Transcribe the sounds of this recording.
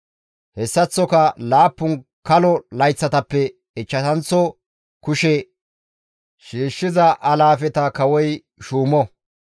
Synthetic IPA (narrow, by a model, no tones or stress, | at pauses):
hɛsːɐt͡sːɔkɐlaːpːʊnkɐlɔlɐjt͡sːɐt̪ɐpːɛ | ɪt͡ʃːɐt̪ɐnt͡sːɔ | kʊʃe | ʃiːʃːɪzɐʔɐlaːfɛt̪ɐkɐwɔj | ʃuːmɔ